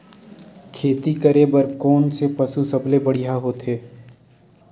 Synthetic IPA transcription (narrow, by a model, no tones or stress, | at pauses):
kʰeːt̪ikəɾebəɾkɔːnsepɐsusɐblebɐɽiɦaɦoːt̪ʰɦeː